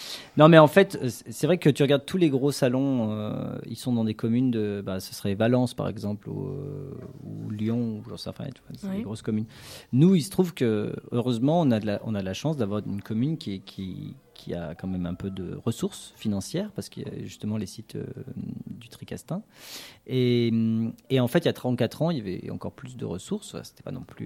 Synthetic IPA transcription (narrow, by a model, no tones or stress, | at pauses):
nɔ̃mɛɑ̃fɛt̪øsɛsɛvʁɛkət̪yʁəɡaʁd̪̚t̪ʰuleɡʁosalɔ̃ø̰ḭlsɔ̃d̪ɑ̃d̪ekɔmynd̪əbasə̥sʁɛvalɑ̃spa̰ʁɛ̰ɡzɑ̃plṵø̰ | ṵljɔ̃uʒɑ̃sfɛ̰̃ḛt̪u̥vasəsɛdeɡʁoskɔmynnuilsə̥t̪χuvkəø̰ʁøzmɑ̃ɔ̃nad̪əlaʔɔ̃nad̪əlaʃɑ̃sd̪avwaʁy̰nkɔmynkʲikʲʰi | kʲʰia̰kɑ̃mɛmɛ̃pød̪ə̰ʁəsuʁsfinɑ̃sjɛːʁpaʁsə̥kila̰vɛ̰ʒyst̪əmɑ̃lesit̪ʰø̰d̪yt̪χikʲast̪ɛ̃ | emeɑ̃fɛt̪ijat̪χɑ̃t̪̚kat̪χɑ̃iljavɛ̰ɑ̰̃kɔ̰ʁplysd̪ə̰ʁəsuʁsfɛ̰̃se̥t̪ɛ̥pa̰nɔ̰̃ply̰